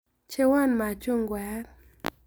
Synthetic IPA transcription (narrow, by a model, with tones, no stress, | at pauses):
t͡ʃe˦wa˦nma˨t͡ʃo˦ŋɡwɛ˨˦ɾ